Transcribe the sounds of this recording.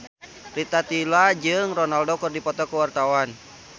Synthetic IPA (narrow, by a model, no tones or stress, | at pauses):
rit̪at̪ilad͡ʒɨŋrɔnaldokɨrdipɔt̪ɔkəwart̪awan